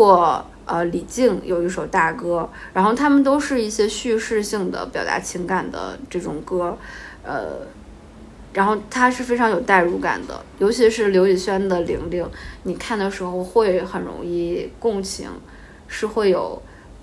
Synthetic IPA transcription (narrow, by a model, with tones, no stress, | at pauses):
ɔ˥˩ | ə˧li˨˩t͡ɕi˥˩ŋjʔo̰˨˧˩ʊi˥ʂo˨˧˩ʊt̪a˥˩kɤ˥ɻa˧˥nxo˥˩ʊt̪ʰa˥mə˨nt̪̬o˥ʊʂɻ̩˥˧i˥˩ɕjɛ˥ɕy˥˧ʂɻ̩˥˧ɕi˥˩ŋd̪ə̰˩pjɑ˨˩ʊt̪a̰˧˥t͡ɕʰi˧˥ŋka˨˩nd̪ə̰˧˦ʈ͡ʂɤ˥˩ʈ͡ʂʊ̰˨˩ŋkɤ˥ | ə̰˧˩ | ɻa˧˥nxo˥˩ʊt̪ʰa˥ʂɻ̩˥˩fe˥ɪʈ͡ʂʰɑ˧˥ŋjo˨˩ʊt̪a˥˧ɪɻu˧˥ka̰˨˩nd̪ə̰˦jo˧˥ʊt͡ɕʰi˧˥ʂɻ̩˥˩ljo˧˥ʊi˨˩ɕɥɛ˥nd̪ə˨lḭ˧˥ŋli˥˩ŋni˨˩kʰa˥˩nd̪ə˩ʂɻ̩˧˥xo˧ʊxwe˥˩ɪxə˨˩nɻʊ̰˧˥ŋi˥˩kʊ˥˩ŋt͡ɕʰḭ˧˥ŋ | ʂɻ̩˥˧xwe˥˩ɪjo˨˩˦ʊ